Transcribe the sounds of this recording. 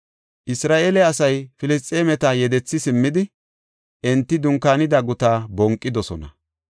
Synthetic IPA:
ʔɪsɾaːʔeːlɛɐsɐjfɪlɪs̬t̪ʼːeːmɛt̪ɐjɛd̪ɛt͡sːɪsɪmːɪd̪ɪ | ʔɛnt̪ːɪd̪ʊŋkːaːnɪd̪aɡʊt̪aːbɔŋkʼːɪd̪ɔsɔnɐ

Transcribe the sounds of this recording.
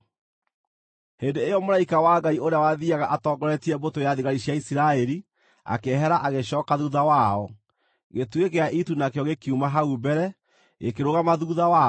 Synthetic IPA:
heːndeejɔmoɾaikawaːɡaioɾeawaðiaɣaʔatɔɡɔɾɛtiɛbotojaðiɣaɾiɕjaisiɾaɛɾi | a̰keɦɛɾaʔaɣeɕɔːkaðuðawaɔ | ɣetwekeaʔitunakeɔɣekiumaɦaubɛɾɛ | ekeɾoɣamaðuðawa

